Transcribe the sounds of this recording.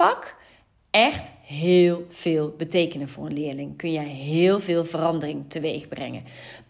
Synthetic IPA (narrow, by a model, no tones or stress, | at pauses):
ɑk | ɛxtɦɪːlˠv̥ɪːlˠbətejkənənvʊːrənlɪːɹlɪŋkɵnjɛjɦɪːlˠvɪːlˠvərɑndərɪŋtʰəʋejɣbrɛ̰ŋə̰n